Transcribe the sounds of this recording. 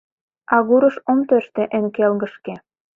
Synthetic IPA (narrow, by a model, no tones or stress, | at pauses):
ɑɣuɾɤ̆ʃomt̪øʃt̪ĕʔĕnkelɣə̆ʃke